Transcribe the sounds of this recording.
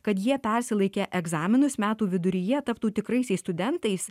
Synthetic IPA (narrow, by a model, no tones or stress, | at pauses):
kɐt̪jiɛpʲɛɾʲsʲɪlˠɐɪkʲeːʔɛɡzɑːmʲɪnʊsmʲæːt̪uːʋʲɪd̪ʊɾʲɪjɛt̪ɐpt̪uːt̪ʲɪkɾɐɪsʲɛɪst̪ʊd̪ʲɛnt̪ɐɪs